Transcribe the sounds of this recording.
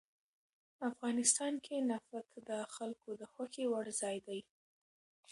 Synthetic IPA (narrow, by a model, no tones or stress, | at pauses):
afɣɑnɪst̪ɑnkʰenafakd̪əxalkod̪əxwaxewaɽzɑjd̪aj